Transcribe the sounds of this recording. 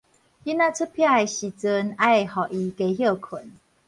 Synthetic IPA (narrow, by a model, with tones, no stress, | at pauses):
i˦na˦˧t͡sʰɨ˦pʰja˥˩jɕi˨t͡sɨ˧na˦˨hɔ˨˩ʔi˧ke˧ɦjə˥˧˩kʰə˨˩˦n